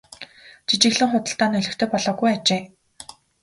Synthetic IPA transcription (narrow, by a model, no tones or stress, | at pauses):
t͡ɕit͡ɕɪ̆ɣɮɘ̆ŋχʊt̪ə̆ɬt̪aːnɵɮɵ̆xt̪ʰœːpɔɮɔːɣujat͡ɕeː